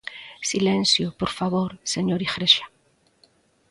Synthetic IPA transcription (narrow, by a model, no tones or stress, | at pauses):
silẽnsjopoɾfaβoɾseɲoɾixɾeʃḁ